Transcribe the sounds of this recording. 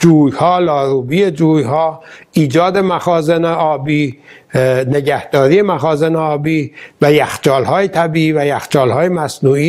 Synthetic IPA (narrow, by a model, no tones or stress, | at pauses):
d͡ʒuːjhɒːlɒːɾuːbiːed͡ʒuːjɦɒːʔiːd͡ʒɒːd̪e̞mæxɒːzeneɒːbiː | ne̞ɟæhd̪̥ɒːɾiːje̞mæxɒːzeneɒːbiːvæjæxt͡ʃɒːlhɒːjet̪ʰæbiːiːvæjæxt͡ʃɒːlhɒːjemæsnuːiː